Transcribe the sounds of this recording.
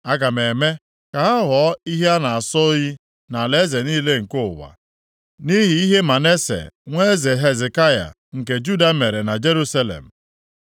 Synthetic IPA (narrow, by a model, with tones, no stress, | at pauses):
a˦ɡa˨me˨me˦ | ka˨a˦ɦɔ˨˦i˦ɦe˦a˦na˨a˨sɔ˦ji˦ | na˨le˦ze˨niː˦le˦ŋ̩˨kʊ˦˨wa̰˨ | ni˦ɦi˨i˦ɦe˦ma˨ne˦sḛ˨ŋʷe˦ze˨ɦe˦ze˨ka˦ja̰˨ | ŋ̩˨k̬e˨d͡ʒu˦da˦me˨ɾe˨na˨d͡ʒe˦ɾu˦sa˦lḛ˨m̩˨